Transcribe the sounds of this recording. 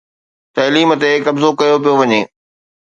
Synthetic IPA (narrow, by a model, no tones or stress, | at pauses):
t̪ɐliːmə̆t̪ekɐbzokɐjopijoʋɐɲeː